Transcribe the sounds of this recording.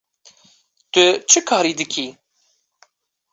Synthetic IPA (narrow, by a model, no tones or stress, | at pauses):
t̪ɨt͡ʃʰɨkʰɑːɾiːd̪ɨkʰiː